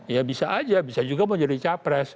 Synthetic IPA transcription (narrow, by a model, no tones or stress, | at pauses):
jabisaʔad͡ʒabisad͡ʒuɡaməɲd͡ʒadit͡ʃapɾɛs